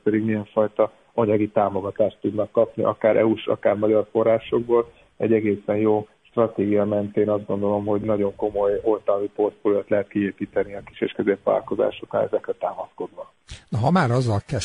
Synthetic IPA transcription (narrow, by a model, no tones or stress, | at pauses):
pɛd̪iɡmijɛɱfɒjt̪ɒ | ɒɲɒɡit̪aːmo̞ɡɒt̪aːʃt̪ːud̪nɒkːɒpnḭʔɒ̰kaːɾʔɛ̰uʃɒ̰kaːrmɒɟɒrfo̞rːaːʃo̞ɡ̚boːl | ɛ̰ɟːɛɡeːsɛnjoːʃt̪rɒt̪eːɡijɒmɛnt̪eːnɒzd̪ɡo̞nd̪o̞lo̞mɦo̞ɟnɒɟo̞ŋko̞mo̞jo̞lt̪ɒmipo̞rt̪folot̪lɛɦɛt̪̚kieːpiːt̪ɛniɒki̥ʃeʃkøzeːpʋa̰ːlko̞za̰ːʃo̞kra̰nɛ̰zɛkrɛt̪aːmɒsko̞d̪ʋɒ | nɒɦɒmaːɾɒzːɒlkɛ